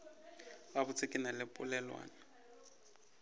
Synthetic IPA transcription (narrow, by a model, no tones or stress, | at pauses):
babʊt͡sʰɪkʼɪnalɪpʼʊlɛlwa̰ːna